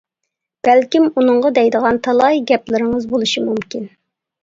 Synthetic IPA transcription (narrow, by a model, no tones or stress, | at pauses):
b̥ælkʲimunɨŋʁɑd̪ɛjd̪əʁɑnt̪ʰɑlˠɑjɡʲɛplɪɾɪŋəzbolˠuʃimumkʲin